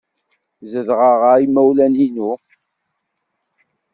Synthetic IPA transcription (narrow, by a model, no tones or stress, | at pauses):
zəðʁəʁaimæwlæninu